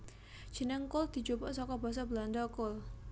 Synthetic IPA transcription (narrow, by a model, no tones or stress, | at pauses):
d͡ʒ̥ənɪŋkʊld̪̥i̤d͡ʒupəʔsɔkɔbas̬ɔbəland̪ɔkʊl